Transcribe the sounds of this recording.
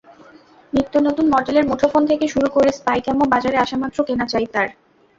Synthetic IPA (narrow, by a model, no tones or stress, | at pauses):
nit̪ːonot̪unmɔʈeleɾmoʈʰofont̪ʰekeʃuɾukoɾespajkɛmobad͡ʑaɾeaʃamat̪ːɾokenat͡ɕajt̪aɾ